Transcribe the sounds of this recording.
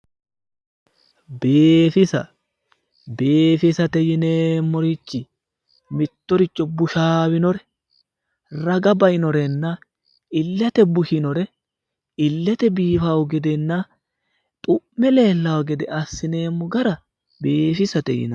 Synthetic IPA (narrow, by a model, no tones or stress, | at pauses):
beːfɪsɐ̰ | beːfɪsɐt̪ɛjɪneːmːɔɾɪt͡ʃːɪ | mɪt̪ːɔɾɪt͡ʃʼːɔbʊʃaːwɪnɔɾɛ̥ | rɐɡɐbɐjɪnɔɾɛnːa | ɪlːɐt̪ɛbʊʃɪnɔɾɛ | ɪlːɛt̪ɛbiːfawʊɡɛd̪ɛnːaː | t̪ʼʊmmːɛleːlːɐwɐɡɛd̪ɛʔɐsːɪne̞ːmːʊɡɐɾɐ | beːfɪsɐt̪ɛ̰jɪ̰nɐ